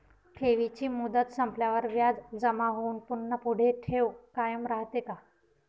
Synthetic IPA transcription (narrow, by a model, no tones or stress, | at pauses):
ʈʰeʋit͡ɕiːmud̪ət̪səmpljaʋəɾʋjad͡zd͡zəmaɦounpunːəpuɽ̤eʈʰeʋkajəmɾaɦt̪eka